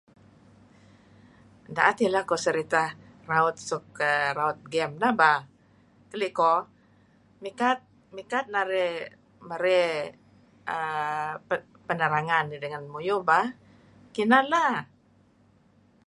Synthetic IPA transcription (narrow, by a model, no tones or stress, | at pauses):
daʔat̪ilahkɔsəɾit̪a | raʊt̪̚sɔkːəraʊt̪̚ɡɛmnahbah | kəliʔkɔ | mikat̪̚ | mikat̪̚naɾɛ | məɾɛ | ʔə | pənəɾaŋanːidəŋanmujubah | kinala